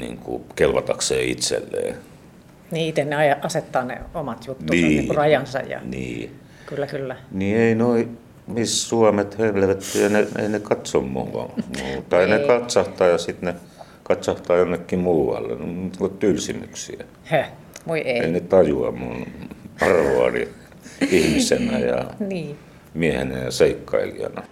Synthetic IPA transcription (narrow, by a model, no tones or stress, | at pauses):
nḭːŋkṵkelʋɑt̪ɑkseːḭt̪sḛlːḛː | niit̪enneɑjɑʔɑset̪ːɑːnḛomɑt̪jut̪ːnːusiːikurɑjɑnsɑ̰jɑ̰nḭː | kylːækylːænieinoi | missuɑmet̪høiʋlæʋæt̪ːyjɑneḛinekɑt̪sommṵːɑ̰mut̪ɑinekɑt̪sɑht̪ɑːjɑsit̪ne | kɑt̪sɑht̪ɑːjonːekːimuːʋɑ̰lːḛnt̪kot̪t̪ylsimyksiæ | hæ | ʋoieinet̪ɑjuɑ̰munɑrʋoɑnḭ | ihmisenæjɑ̰niː | miehḛnæjɑseikːɑ̰ilḭɑ̰nɑ